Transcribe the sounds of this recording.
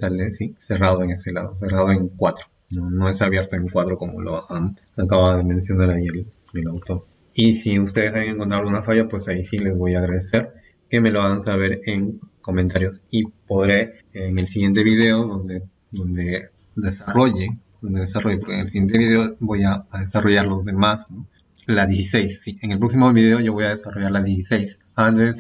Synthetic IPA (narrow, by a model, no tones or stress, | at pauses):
salesise̞rað̞o̞e̞ŋe̞se̞la̰ð̞o̞s̬e̞raðoe̞ŋkwat̪ɾo | nono̞e̞saβje̞ɾt̪o̞e̞ŋkwat̪ɾo̞ko̞mo̞̰lo̰an | akaβaðoðemẽ̞nsjo̞naɾaiel | elawt̪o̞ɾ | isiust̪e̞ð̞esaβeŋeŋkont̪ɾaunafaʝapwe̞saisile̞zβo̞jaːɣɾað̞e̞se̞ɾ | ke̞me̞lo̞aɣansaβe̞ɾeŋko̞ment̪aɾjo̞sipo̞ðɾe̞ | ŋe̞lsiɣje̞nt̪e̞βiðe̞oðo̞nd̪e | d̪o̞nd̪e̞ | ðe̞saro̞ʝed̪o̞nd̪e̞ðesaro̞ʝepo̞ɾkḛŋelsiɣent̪eβiðe̞obo̞jaːðe̞saro̞ʝaɾlo̞zðe̞masno | laðjesise̞jsːieŋelpɾo̞ks̬imo̞βiðe̞oʝo̞βo̞jað̞e̞saro̞ʝaɾlaðjes̬isejs | ant̪es